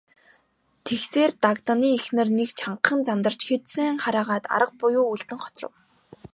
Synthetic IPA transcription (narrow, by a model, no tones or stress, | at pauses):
t̪ʰexseːrt̪akt̪aniːexnɘ̆rnekt͡ɕʰaɴqχə̆nt͡samt̪ə̆r̥t͡ɕxet̪sɘ̆ŋχaɾaːʁaːt̪a̰ɾə̆q̚pʊjʊːuɮt̪ɘ̆ŋχɔ̥t͡srə̰̆w